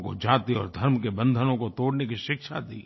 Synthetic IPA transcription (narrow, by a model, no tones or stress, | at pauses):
ko̰d͡ʒaːt̪iɔ̰ːɾd̪ʱɐɾmkebɐ̃nd̪ʱənõkot̪oːɽnekiʃɪkʃad̪ḭː